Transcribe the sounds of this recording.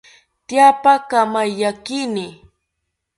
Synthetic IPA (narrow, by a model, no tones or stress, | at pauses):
t̪japakamajʎakinɪ